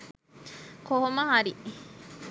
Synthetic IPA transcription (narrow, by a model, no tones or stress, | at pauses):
koɦoməɦaɾi